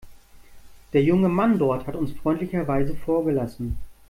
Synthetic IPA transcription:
d̥eːɐjʊŋəmandɔɐthatʊnsfʁ̥ɔʏntlɪçɐvaɪzəfoːɐɡəlasn̩

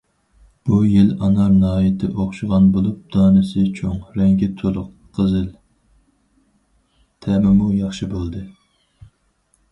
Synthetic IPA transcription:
b̥ujilɑnɑɾnɨɦɑːjɛt̪ʰɪʔoχʃɨʁɑnbolˠup̚d̪̥ɑːnɨsɨt͡ʃʰoŋɾɛŋkʲɪt̪ʰolˠʊq | qʰːəzɨl | t̪ʰɛmɪmujɑχʃibolˠd̪ɨ

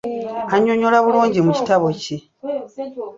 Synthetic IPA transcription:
aɲːo̞ɲolaβuluːɲɟimuci̥taβo̞ci

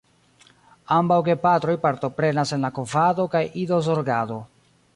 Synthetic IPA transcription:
ambawɡe̞pat̪ɾo̞jpaɾto̞pɾe̞nase̞nlakovado̞kajidozoɾɡado̞

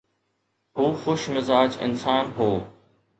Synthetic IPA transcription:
ɦuːxʊʃmɪzaːd͡ʒɪ̰nsaːnɦoː

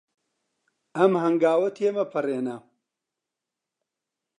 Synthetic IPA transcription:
ɐmhɐŋɡaːwɐt̪ʰemɐpʰɐreːnɐ

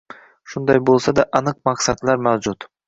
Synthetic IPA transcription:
ʃʊnd̪ajbolˠsad̪aʔɑnɨq̚mɑqsat̪laɾmawd͡ʒʊt̪

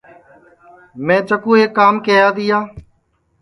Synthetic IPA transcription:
mɛ̃ːt͡ʃəkũːɦekːaːmkeːjaːd̪iːjaː

